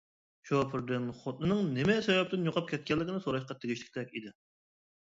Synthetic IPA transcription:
t͡ʃopʰɨɾd̪ɨnχot̪̚nɨnɨŋnɪmɛsɛwɛp̚t̪ɪnjoqʰɑp̚kʲʰɛt̪̚kʲʰɛlːɪkʲɪnɨsoɾɑʃqɑt̪ʰeɡʲiʃlɪ̥kʲt̪ʰɛkʲid̪ɪ

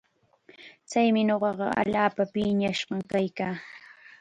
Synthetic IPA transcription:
t͡sajmɪɲoɢɑɢɑ̰a̰ʎaːpapɪɲaʃɢɑŋkajkaː

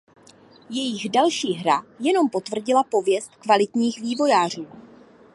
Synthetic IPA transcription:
jɛjɪɣdalʃiːɦɾajɛno̞mpo̞t̪vr̩ɟɪlapo̞vjɛst̪kvalɪt̪ɲiːxviːvo̞jaːr̝uː

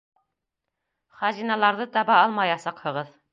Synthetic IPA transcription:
χɑzinɑlˠɑɾðɤt̪ɑβɑɑlˠmɑjɑsɑqhɤ̆ʁɤð

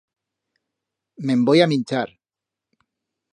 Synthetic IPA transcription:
mẽmbojamint͡ʃaɾ

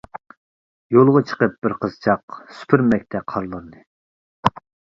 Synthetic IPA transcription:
jolˠʁɑt͡ʃʰə̥qəp̚b̥ɪɾqʰəzt͡ʃʰɑqsy̥pʰɪɾmɛk̚ʲt̪ʰɛqʰɑɾlˠɑnd̪ɨ

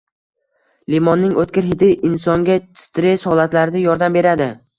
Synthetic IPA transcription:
limɒnːɪŋot̪kʲɪɾɦɪt̪ʰɪʔɪnsɒŋɡʲat͡ʃt̪ɾeshɒlat̪laɾɪd̪ajɒɾd̪ambe̞ɾad̪ɪ

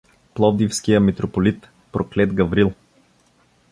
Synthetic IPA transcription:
plˠɔvd̪ifskijəmit̪ɾopolit̪ | pɾoklɛt̪ɡɐvɾilˠ

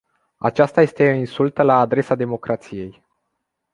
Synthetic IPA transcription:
a̰t͡ʃast̪aje̞st̪e̞insult̪əlaːd̪ɾe̞sad̪e̞mo̞kɾʔat̪sije̞j

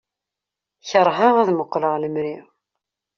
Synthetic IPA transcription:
çəɾˤɦaʁaðməqːləʁləmɾiʁ

